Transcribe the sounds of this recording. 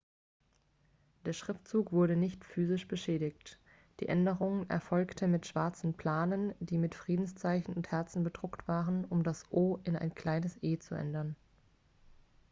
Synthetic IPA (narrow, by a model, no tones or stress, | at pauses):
d̥eːɐʃʁ̥ɪftt͡suːkv̥ʊɐɾənɪçtfyːzɪʃb̥əʃɛːdɪçt | d̥ḭːʔɛndəʁʊŋənɛ̰ɐfɔlktn̩mɪtʃv̥aɐt͡sn̩pʰl̥aːnəndiːmɪtfʁ̥iːdn̩st͡saɪçn̩ʊnthɛɐt͡sn̩bədʁʊktv̥aːʁənʊmdasʔoːʔɪnaɪnkl̥aɪnəsʔeːt͡suʔɛ̰ndɐn